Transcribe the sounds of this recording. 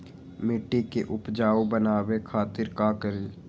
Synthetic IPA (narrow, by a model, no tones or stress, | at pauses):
mɪʈːikeʔʊpd͡ʒaːobənaːwekʰaːt̪ɪɾkaːkəɾiː